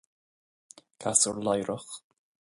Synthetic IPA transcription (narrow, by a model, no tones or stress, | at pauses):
kʰasəɹlajɾʔəx